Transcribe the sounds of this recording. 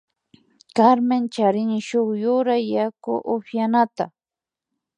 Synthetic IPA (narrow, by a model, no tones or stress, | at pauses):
kaɾmɪnt͡ʃaɾɪnɪʃoχjʊɾajːakʊ̰ʔʊfjanat̪a̰